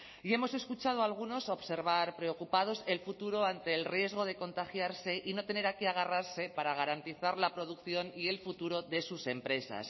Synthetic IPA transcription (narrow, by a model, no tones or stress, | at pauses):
ie̞mo̞se̞skut͡ʃað̞oalɣ̞uno̞so̞βse̞ɾβaɾpɾe̞o̞kupað̞o̞se̞lfut̪uɾo̞ant̪e̞ːlrje̞zɣ̞o̞ð̞e̞ko̞nt̪axjaɾse̞ʔino̞t̪e̞ne̞ɾakeaɣ̞araɾse̞paɾaɣ̞aɾant̪iθaɾlapɾo̞ð̞ukθjo̞nie̞lfut̪uɾo̞ðe̞suse̞mpɾe̞sa̰s